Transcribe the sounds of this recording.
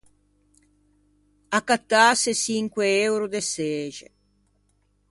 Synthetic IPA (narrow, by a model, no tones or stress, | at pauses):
akːat̪ːaːsesiŋkweewɾud̪eseːd͡ʒḛ